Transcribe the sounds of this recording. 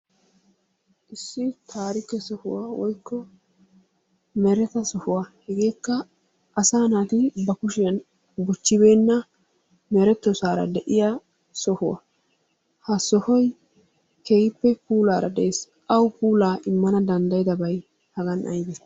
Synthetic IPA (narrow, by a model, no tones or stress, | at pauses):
ʔɪsːɪt̪ʰaːɾɪkɛsɔhʊwaːwɔjkːɔ | mɛɾɛt̪ɐsɔhʊwahɛɡe̞ːkːɐ | ʔːsaːnaːt̪ɪbɐkʊʃɪjɐn | bʊt͡ʃːɪbe̞ːnːɐ | mɛɾɛt̪ːɔsaːɾɐ̰d̪ɛʔɪja | sɔhʊwa̰ | hɐsɔhɔj | keɡɪpːɛpuːlaːɾɐd̪ɛʔeːs | ʔɐwpuːlaːʔɪmːɐnɐd̪ɐnd̪ɐjɪd̪ɐbɐj | hɐɡɐnʔɐ̰jɡɪs